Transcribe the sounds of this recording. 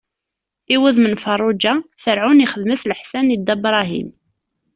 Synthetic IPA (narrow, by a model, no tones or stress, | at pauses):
iwəðmənfɑrˤːʊd͡ʒaθəɾʕuniχəðməsləħsænid̪æbɾˤɑɦḭm